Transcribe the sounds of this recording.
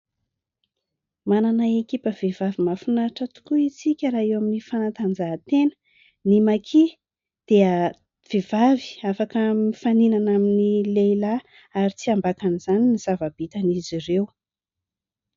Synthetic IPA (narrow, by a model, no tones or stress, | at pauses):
mananaekʲipəv̥evavimafunaʈ͡ʂət̪u̥kuit͡sikʲəɾaewaminifanat̪and͡zaɦt̪enə̥ | nimakʰi | d̪̥eə | v̥ev̥avi̥afakəmifaninanaminilejla | aɾit͡siambakaniz̥aniniz̥avab̥it̪anizirew